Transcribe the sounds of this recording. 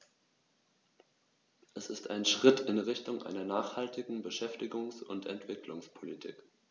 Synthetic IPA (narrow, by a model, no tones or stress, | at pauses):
ʔɛsɪsta̰ɪnʃʁ̥ɪtʰɪnʁɪçtʊŋʔa̰ɪnɐnaːχhaltʰɪɡŋ̩bəʃɛftɪɡʊŋsʊntʰɛ̰ntv̥ɪklʊŋspʰolitʰḭːk